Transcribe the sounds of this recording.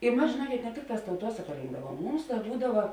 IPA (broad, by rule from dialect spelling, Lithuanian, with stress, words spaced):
ɪ ˈmɐs ʒʲeːˈnuɔkʲeːt nʲɛ ˈtʲɪkˌtɑːs tɐʊˈtuɔsɐkɐ ˈrʲɪŋɡdɐʋuɔm ˈmʊms ˈdɐ ˈbuːdɐʋɐ